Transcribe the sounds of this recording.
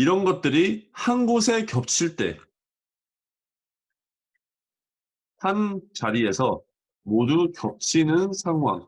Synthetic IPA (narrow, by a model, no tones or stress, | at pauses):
iɾʌnɡʌt̚t͈ɯɾihanɡos̬ʰe̞kjʌp̚t͡ɕʰiɭt͈e̞̰ | hant͡ɕaɾie̞sʰʌ | modukjʌp̚t͡ɕʰinɯnsʰaŋɦwa̰ŋ